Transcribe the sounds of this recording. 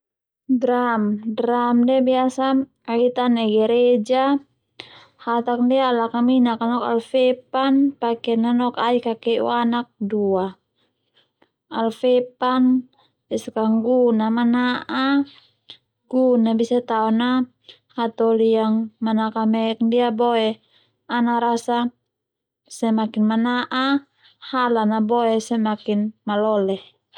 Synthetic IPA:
dɾamdɾamdɛbiasa | ait̪anɛɡɛɾɛd͡ʒa | hat̪ak̚ndɛalakaminakanɔka̰lfɛpanpakɛnanɔkaikakɛʔṵanak̚dua | alfɛpan | bɛsakaŋɡunamanaʔa | ɡ̥unabisat̪aɔna | hat̪ɔlijaŋmanakamɛk̚ndiabɔɛ | anaɾasa | sɛmakinmanaʔa | halanabɔɛsɛmakinmalɔlɛh

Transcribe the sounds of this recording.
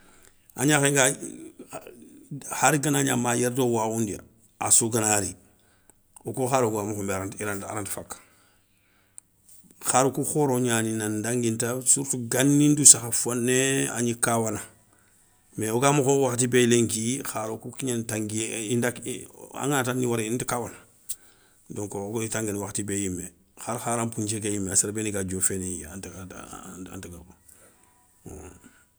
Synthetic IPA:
aɲaxeŋɡa | haɾiɡanaɲa̰majeɾdowaundḭ | a̰suɡanaɾi | okuxaɾokamuxombeaɾantiɾanta̰ɾantfak | xaɾokuxoɾoɲaninandaŋɡintasuɾtuɡanːindusaxafonːea̰ɲikawana | meoɡamuxowaxtibeleŋkixaɾokukiɲantaŋɡiindaka̰ŋatanːiwaɾeintikawana | doŋkoɡitaŋɡenwaxtibejime | xaɾxaɾampuɲt͡ʃekajimeasaɾbeniɡad͡ʒofeneant | a̰ntaɡako

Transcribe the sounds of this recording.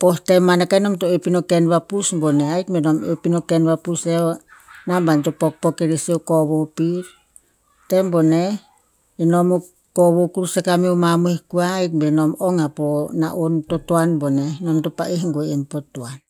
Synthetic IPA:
postemanakainomtoepinokenβapusboneajkmbenomepinokenβapuseonambantopok̚pokeɾisewkoβopiɾ | tembone | inomu | koβokuɾusekamiomamuihkuajk̚benomoŋapona̰ʔontotoanbonenomtopa̰ʔiɦŋɡoempotːoan

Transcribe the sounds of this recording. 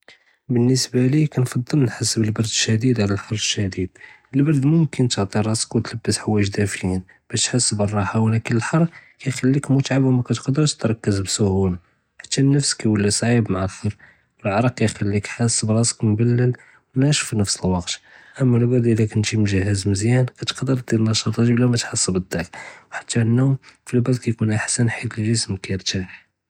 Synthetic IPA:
bənːəsbælikænfɑd̪ˤːəlnħasːəbəlbɑɾˤd̪əʃæd̪id̪ʕlælħɑɾˤːəʃːæd̪id̪̚ | əlbɑɾˤd̪mʊmkənt̪əʕt̪ˤiɾˤɑsə̥kwt̪ləbːəsħawæjəʃd̪æfjin | b̥æʃt̪ħasːəbərˤːɑħawlækəlːəlħɑɾˤkæjxælːikmʊt̪ʕabwmækæt̪qd̪əɾʃt̪ɾˤɑkːəzbsʊhula | ħḁt̪ːænːəfsə̥kːæwəlːisˤʕibmaʕalxɑɾ | wəlʕɑɾˤɑq̚kæjxælːikħasːbɾˤɑsə̥kmbælːəl | wnæʃu̥finəfsəlwɑqt̪ʔəmːælbæd̪ʔəlækənt̪imʒəhəzməzjænkæt̪ə̥qd̪əɾˤd̪ilnɑʃɑt̪ˤɑʒiblæmæt̪ħəsːəbəd̪ːækwħḁt̪ʰːænːumfilbæd̪̚kæjkunʔaħsænħid̪lʒəsmkæjəɾt̪æ

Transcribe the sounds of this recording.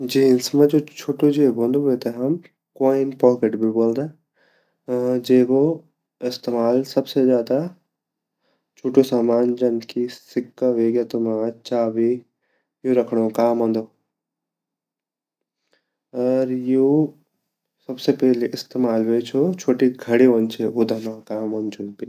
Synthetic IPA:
d͡ʑiɪnsmə̃d͡ʑoːt͡ʃʰoːʈod͡ʑeːbʱõːnd̪oɦʊet̪ɐɦɐm | koːɪnpɔːkeʈbɪboːld̪a | d͡ʑeːko | ɪst̪eːmaːlsɐbsezjaːd̪a | t͡ʃʰoːʈosaːmaːnd͡ʑɐnkʰisɪkːaʋeːɡjət̪omãːt͡ʃaːʋe | juɾɐkʰɽ̃okaːmɦõnd̪o | ɐɾju | sɐbsepɛːleʔɪst̪eːmaːlʋet͡ʃʰot͡ʃʰoːʈiɡʱɐɽiʋont͡ʃʰeud̪ʱɐmãkaːmõːnt͡ʃunpi

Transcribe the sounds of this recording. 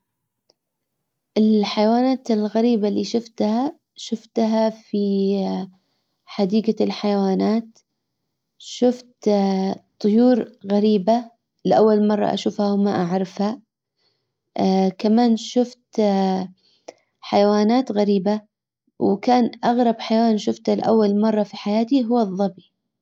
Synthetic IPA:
ʔɪlħajawaːnaːt̪ɪlɣaɾiːbaliːʃʊft̪ha | ʃʊft̪ɦafi | ħad̪iːɡalħajawaːnaːt̪ | ʃʊft̪ | t̪ˤːʊjuːɾɣaɾiːba | lɪʔawːalmɑrˤːɑ̰ʔa̰ʃuːfhawmaʔaʕɾˤɑfha | kamaːnʃʊft̪ | ħajawaːnaːt̪ɣaɾiːba | wkaːnʔaɣɾˤɑbħajawaːnʃʊft̪halʔa̰wːalmɑrˤːɑfiħajaːt̪iɦʊwːɑðˤːɑbi

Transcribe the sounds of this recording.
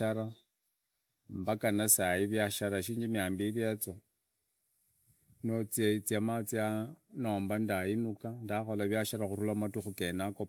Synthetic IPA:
aɾa | mbakanasaiβjaʃaɾaʃiːɲd͡ʒimiaːmbiliat͡so | not͡siat͡siamat͡sianoːmbandajinukandaxolaβjaʃaɾaxurulamatuxukenako

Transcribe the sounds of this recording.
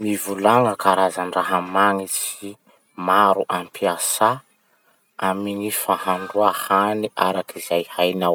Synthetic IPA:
mivulaŋəkaɾazanraɦamaŋisi | maɾuʔampiasa | amiɲifahaɳɖ͡ʐuahaniʔaɾakizajhajnaw

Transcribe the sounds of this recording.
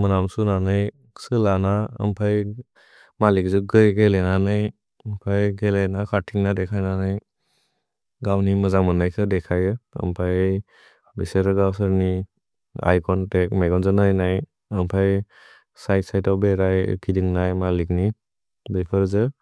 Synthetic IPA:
mɯnamsunanaj | sɯlanaə̰mpʰaj | malik̚zuɡɯjɡelenanɯj | əmpʰajɡelenakʰaɾtʰiŋnadekʰajnanɯj | ɡawnimɯzaŋmɯnajkʰɯdekʰajɯə̰mpʰaj | biseɾɯɡawsɯɾni | a̰jkɔntek̚majɡɔnzɯnɯjnaj | əmpʰaj | sajtsajtɔwbeɾaj̰kʰidiŋnajmalikni | bepʰɯɾzɯ

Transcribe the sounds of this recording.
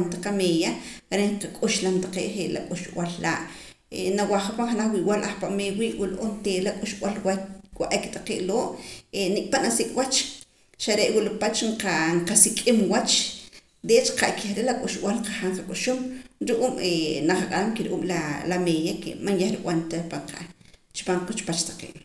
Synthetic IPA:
nt̪aqamejaaɾeqakʼuʃlamt̪aqḛːʔχeʔla̰kʼuʃwallaːʔ | enawaχapaŋχanaχwiʔwalʔaχpaʔmewiːʔwulʔont̪elakʼuʃɓwalwawaʔekt̪aqeːʔloːʔenikʼpanasikʼwat͡ʃ | ʃaɾeʔwulopat͡ʃɴqaɴqasikʼimwat͡ʃ | d̪et͡ʃḁqaʔkʰeχɾelakʼuʃw̰ʔalqaχaɴqakʼuʃumɾuʔuːmenaχaqʼaɾamkeɾʔuːmlalamejakḛmanjeχɾikʼwʔant̪apaɴqa̰t͡ʃpamkut͡ʃpat͡ʃt̪ḁqḛːʔ

